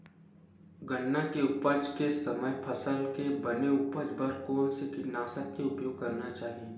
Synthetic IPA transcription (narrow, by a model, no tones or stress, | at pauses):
ɡənːakeʊpəd͡ʒkesɐməjpʰɐsəlkebɐneʊpəd͡ʒbəɾkɔːnsekɪnaːsət̪̚keʊpjoːɡ̚kɐɾnat͡ʃaːɦie